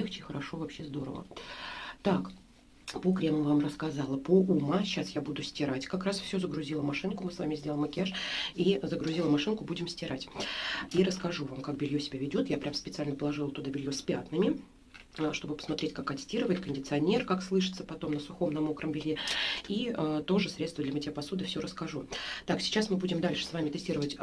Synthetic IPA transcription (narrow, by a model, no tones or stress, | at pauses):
ext͡ɕɪxəɾɐʂo̞vɐpɕːe̞zd̪o̞ɾə̰və̰ | t̪ak | pokɾʲeməmvamrəskɐzɑlˠəpoumaɕasjabud̪ʊsʲtʲɪɾatʲkakɾasfsʲozəɡɾʊzʲilˠəmɐʂɨnkʊmɨsvamʲɪzʲdʲelˠəməkʲɪaʂizəɡɾʊzʲiləmɐʂɨnkʊbudʲɪmsʲtʲɪɾatʲiɾəskɐʐuvamkak̚bʲɪlʲjosʲɪbʲavʲɪdʲo̞t̪japɾʲamspʲɪt̪sɨalʲnəpəlˠɐʐɨlˠt̪ʊd̪abʲɪlʲjospʲa̰t̪nɨmʲɪ | ʂt̪o̞bɨpə̥smɐt̪ɾʲetʲkakːɐt̪sʲtʲiɾəvəɪt̪̚kənʲdʲɪt̪sɨɐnʲe̞rkakslˠɨʂɨ̥t̪səpɐt̪o̞mnəsʊxo̞mnɐmokɾəmbʲɪlʲjeiət̪o̞ʐɨsɾʲet̪t̪vəd̪lʲɐmətʲɪəpɐsod̪ɨfsʲoɾəskɐʐut̪aksʲɪ̥t͡ɕasmɨbudʲɪmd̪alʲʂɨ̥svamʲɪt̪ɪsʲtʲiɾəvətʲ